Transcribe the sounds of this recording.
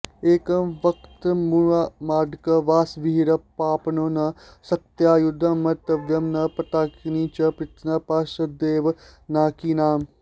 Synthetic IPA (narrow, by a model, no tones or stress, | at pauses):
eːkɐʋɐkt̪muamaːɖkɐʋaːsʋiiɾɐpaːpɐnonɐ | sɐk̚t̪jaːjud̪ʱɐmɐt̪ɐʋjɐmnɐpɐt̪aːkniːt͡ʃɐpɾɪt̪nɐpaːʃɐd̪eːʋnaːkiːnaːm